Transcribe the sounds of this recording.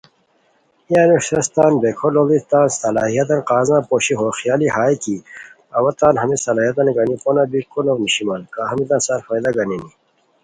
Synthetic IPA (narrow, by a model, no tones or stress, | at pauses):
ijaːneʂɐst̪aːnbekʰololit̪aːnsɐlaːɦijɐt̪̬ɐnqaːzãːpoːɕiɦoxijaːlihaːjki | ɐwɐt̪aːnɦɐmisɐlaːɦijɐt̪ɐnɡɐniponabikulowniɕimankaːɦɐmit̪ãːnsɐɾfajd̪aɡɐnini